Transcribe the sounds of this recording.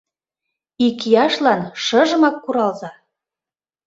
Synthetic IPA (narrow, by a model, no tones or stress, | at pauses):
ikijɑʃlɑnʃɤ̆ʒə̆mɑkːuɾɑlzɑ